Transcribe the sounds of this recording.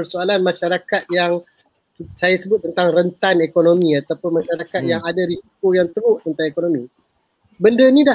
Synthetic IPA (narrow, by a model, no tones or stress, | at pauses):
ərsoalanmãʃaɾakat̪̚jaŋ | sajasəbʊt̪̚ːənt̪aŋrənt̪anekonomĩat̪apʊnmãʃaɾakat̪̚jaŋadaɾisi̥kojaŋt̪əɾʊʔ̪ənt̪aŋekonomĩ | bəndənida